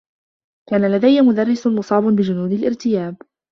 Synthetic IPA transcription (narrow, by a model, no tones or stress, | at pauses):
kaːnalad̪ajːmʊd̪ɑrˤːɪsʊnmʊsˤɑːbʊnbɪd͡ʒʊnuːd̪ɪlʔɪɾt̪ɪjaːb